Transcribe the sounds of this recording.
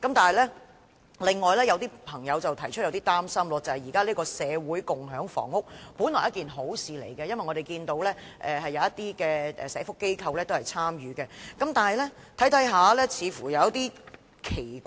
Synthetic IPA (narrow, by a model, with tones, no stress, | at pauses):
kɐ˨˥mt̪aː˨˩hɐ˨jlɛː˥ | lɪ˨ŋːɔː˨jlɛː˥jɐ˨˧wt̪iː˥pʰɐ˨˩ŋjɐ˨˧wt͡sɐ˨wt̪ʰɐ˨˩jt͡ʃʰɵ˥t̚jɐ˧wt̪iː˥t̪aː˥msɐ˥mlɔː˧t͡sɐ˨˩hɐ˨˩jiː˨˩kaː˥liː˥kɔː˧sɛː˨˧wuː˨˥jkʊ˨ŋɦœː˨˥ŋfɔ̰ː˨˩ŋːʊ˥k̚puː˨˥nlɔː˨˩jɐ˥t̚kiː˨nɦo˨˥wsiː˨lḛ˨˩jkɛ˧jɐ˥nwɐ˨jŋɔː˨˧e˨jkiː˧nt̪o˨˧wlɛː˥ | ʔɛː˨ɦɐ˨jːɐ˨˧wjɐ˥t̪iː˥kɛː˧ɛ̰˨sɛː˨˥fʊ˥kːe˥jkʰɐ˧wlɛː˥t̪o˥whɐ˨jt͡sʰaː˥mjyː˨˦kɛ˧kɐ˨˥mt̪aː˨˩nɦɐ˨jlɛː˥t̪ʰɐ˨˥jt̪ʰɐ˨˥jɦaː˨˧lɛː˥t͡sʰiː˨˧fuː˨˩jɐ˨˧wt̪iː˥ | kʰe˨˩j